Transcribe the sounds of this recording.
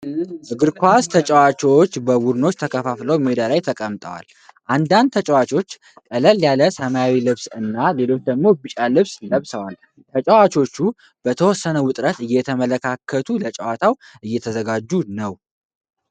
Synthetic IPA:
ʔɨɡɨɾkʰʷast̪ʰət͡ʃʼəwat͡ʃot͡ʃːbəwud̪no̞t͡ʃːt̪ʰəkʰəfafləwmed̪alajt̪ʰəkʼəmt̪ʼəwa̰l | ʔand̪and̪t̪ʰət͡ʃʼəwat͡ʃʰʼo̞t͡ʃː | kʼələljaləsəmajawilɨβsɨnːale̞lo̞t͡ʃːd̪əɡmo̞bɨt͡ʃʼalɨβsləβsəwal | t̪ʰət͡ʃʼəwat͡ʃʰo̞t͡ʃːu | b̥ət̪ʰəwɔsːənəwʊt̪ʼɾət̪ɨjːɛt̪ʰəmələkʰakʰːət̪ʰulət͡ʃʼəwat̪ʰaw | ʔɨjːɛt̪ʰəzəɡad͡ʒːunəw

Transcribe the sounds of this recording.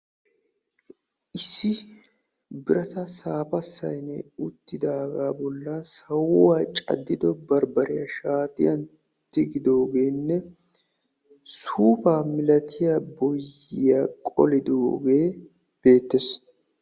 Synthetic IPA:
ʔɪsːɪ | bɪɾɐt̪ɐsaːpɐsːɐjnɛʊt̪ːɪd̪aɡaːbɔlːɐsɐwʊwaːt͡ʃʼɐ̰d̪ːɪd̪ɔbɐɾbɐɾɪjɐʃaːt̪ɪjɐn | t̪ːɪɡɪd̪o̞ːɡe̞ːnːɛ | suːpaːmɪlɐt̪ʰɪjabɔjːɪjaːkʼɔ̰lɪd̪oːɡe̞ː | b̥e̞ːt̪ːes

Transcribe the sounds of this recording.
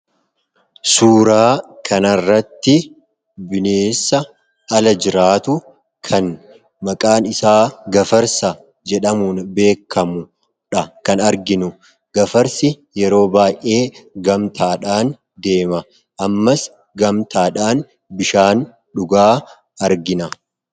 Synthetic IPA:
suːɾaːkʰɐnɐrːɐt̪ːɪ | bɪneːsːɐ | ɐlɐd͡ʒɪɾaːt̪ʊ | kʰɐn | mɐkʼaːnɪsaːɡɐfɐɾsɐ | d͡ʒɛᶑɐmuːnbe̞ːkːɐmʊ | ᶑɐkɐnɐɾɡɪnʊ | ɡ̥ɐfɐɾsɪ | jɛɾo̞ːbaːjʔʔe̞ːɡɐmt̪ʰaːᶑaːn | d̪e̞ːmɐ | ʔɐmːɐs | ɡɐmt̪aːᶑaːn | bɪʃaːn | ᶑʊɡaː | ɐɾɡɪnɐ

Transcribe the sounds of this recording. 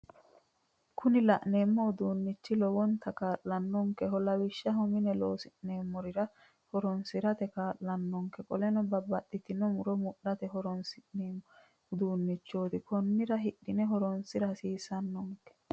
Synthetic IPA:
kʰʊnɪlɐʔneːmːɔd̪uːnːɪt͡ʃːɪlɔwɔnt̪ʰːɐkaːʔlɐnːɔŋkɛɦɔlɐwɪʃːɐɦɔmɪnɛloːsɪʔne̞ːmːɔɾɪɾɐ | hɔɾɔnsɪɾɐt̪ɛkaːʔlɐnːɔŋkɛkʼɔlɛnɔbɐbɐtːɪt̪ɪnɔmʊɾɔmʊʔːɐt̪ɛɦɔɾɔnsɪneːmɔ | d̪uːnːɪt͡ʃːoːt̪ɪkɔnːɪɾɐɦɪɗːɪnɛɦɔɾɔnsɪɾɐsiːsɐnːɔŋkɛ̥

